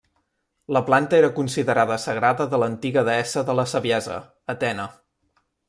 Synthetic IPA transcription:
ləplant̪əeɾəkunsiðəɾaðəsəɣɾaðəðələnt̪iɣəðəɛsəðələsəβiɛzə̰ | ət̪ɛnə

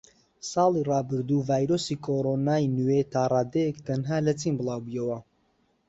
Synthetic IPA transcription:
sɑːlˠirɑːbɨɾd̪uːvaːjɾoːsikʰoːɾonaːjnuwet̪ʰaːrˤaːd̪ejɛkt̪ʰɐnɦaːlɐt͡siːnbɨlˠaːwbujɐwɐ

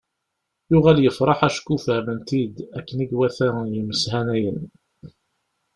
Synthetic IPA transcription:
jʊʁæljəfɾˤɑħæʃkːufhæmənt̪id̪ækːəniɡwæθæjəməshænæjən

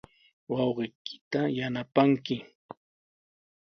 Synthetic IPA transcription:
wɑwɢɪjkɪ̥t̪ajanapaŋkɪ

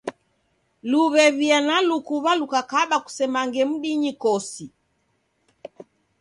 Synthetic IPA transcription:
luβɛβianalukuβalukakaɓaku̥sɛmaŋɡɛm̩ɗiɲikɔsi

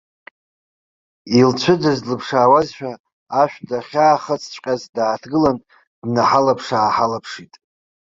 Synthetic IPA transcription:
ilt͡ʃʷʰɨd͡ʒazlɨpʰʂaːwazʃᶣaː | ʃᶣdaχʲaːχət͡sʰt͡ʃʷʼqʲʼazdaːtʰɡɨlan | dnaħalapʰʂaːħalapʰʂitʼ

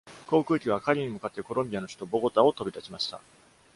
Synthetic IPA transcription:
ko̞ːkɯ̟ːkʲiβakaɾʲiɲ̟imɯ̟kat̪ːe̞ko̞ɾõ̞mʲbʲijano̞ɕi̥t̪o̞bo̞ɡo̞t̪ao̞t̪o̞bʲid̪at͡ɕimaɕi̥t̪a̰

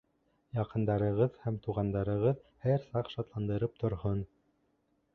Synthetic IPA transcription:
jɑqɤ̆nd̪ɑɾɤ̆ʁɤðhæmt̪uʁɑnd̪ɑɾɤ̆ʁɤðhæɾsɑqʃɑt̪lˠɑnd̪ɤ̆ɾɤp̚t̪ŏɾɦon

